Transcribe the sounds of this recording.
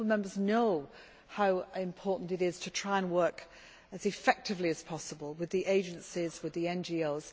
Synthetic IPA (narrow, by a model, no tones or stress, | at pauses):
l̩ˠmɛ̃mbə˞znoʊ | haʊɪ̃mpʰɔˑʔn̩tɪɾɪz̥tʰətʰɹ̥aɪə̃nwɜˑ˞k | əzɪfɛk̚tɪvliɨz̥pʰɒsəbəlˠwɪðiʔeɪd͡ʒə̃nsɪzwɪðiɛ̃nd͡ʒioʊz̥